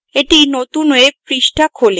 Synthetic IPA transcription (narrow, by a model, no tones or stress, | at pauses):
eʈinot̪unek̚pɾiʃʈʰakʰole